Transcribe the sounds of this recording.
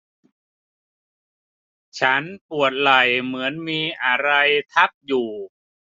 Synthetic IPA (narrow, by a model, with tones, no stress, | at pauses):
t͡ɕʰa˦˥npu˨˩ət̪̚la˨˩jmɯ˩˦ənmiː˧ʔa˧ɾa˧jt̪ʰa˦˥p̚juː˨˩